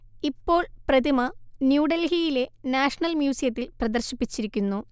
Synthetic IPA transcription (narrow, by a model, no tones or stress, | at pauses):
ipːo̞ːɭprɐd̪imɐnjuːɖɐlɦijile̞naːʂɐɳɐlmjuːsijɐt̪ːilprɐd̪ɐrɕipːit͡ɕːiɾikʲːunːu